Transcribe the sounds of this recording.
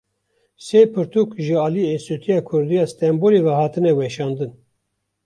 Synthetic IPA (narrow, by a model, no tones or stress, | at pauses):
sepʰɨɾt̪ʰuːkʒɨɑːliesut̪ʰijɑːkʰʊɾd̪ijɑːst̪ɛmbolevɛhɑːt̪ʰɨnɛwɛʃɑːnd̪ɨn